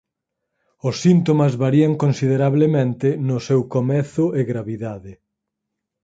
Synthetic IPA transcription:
ʊsːint̪omɐzβaɾiɐŋkonsiðeɾaβlemẽnt̪ɪnʊsɛwkomɛθʊɪɣɾaβiðaðɪ

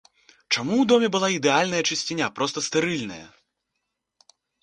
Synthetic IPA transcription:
t͡ʂamuwd̪ɔmʲɛbɨlˠaid̪ɛalʲnɐjɐt͡ʂɨsʲt͡sʲinʲapɾɔst̪ɐst̪ɨɾɨlʲnɐ̰jɐ̰

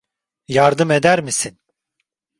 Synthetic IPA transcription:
jaɾd̪ɯme̞d̪æɾmisin

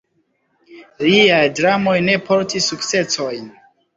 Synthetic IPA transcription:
liajdɾamo̞jne̞pʰo̞ɾtisukt͡se̞so̞jn

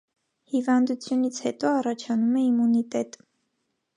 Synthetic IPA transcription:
hivɑnd̪ut͡sʰjunit͡sʰhɛ̰t̪ɔɑrɑt͡ʃʰɑnumɛimunit̪ɛt̪

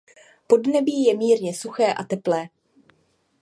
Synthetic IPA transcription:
po̞dnɛbiːjɛmiːɾɲɛsuxɛːʔat̪ɛplɛː

